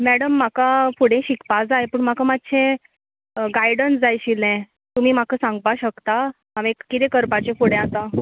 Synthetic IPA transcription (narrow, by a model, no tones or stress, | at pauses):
mæɽəmːakafuɽẽɕikpad͡zajepəːɳm̤akamat̪ːɕʰẽ | ɡajɽənsd͡zajɕilɛ̃ | t̪um̤iːm̤akəsãŋɡʋaɕəkt̪a | amẽkkːit̪ekəɾpat͡ɕefuɽẽat̪a